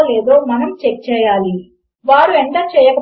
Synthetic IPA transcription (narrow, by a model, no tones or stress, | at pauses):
lɛːd̪oːmɐnɐmt͡ʃek̚t͡ʃɛːjaːli | ʋaːɾueɳʈ̪ɐt͡ʃɛːjɐkɐ